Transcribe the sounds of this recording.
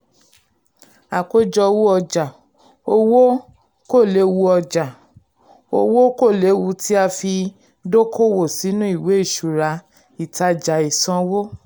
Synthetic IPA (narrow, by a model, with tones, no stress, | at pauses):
a˨ko˦d͡ʒɔ˧wu˦ɔ˧d͡ʒa˨ | o˧wo˦ | ko˦˨le˨˦wu˧ɔ˧d͡ʒa˨ | o̰˧wo˦ko˦˨le˨˦wu˧ti˦a˧fi˧ | do˦kʰo˦wo˦˨si˨˦nũ˦i˦˨we˨˦i˦˨ʃu˨ɾa˧ | i˨ta˧d͡ʒa˨i˨sã˧wo˦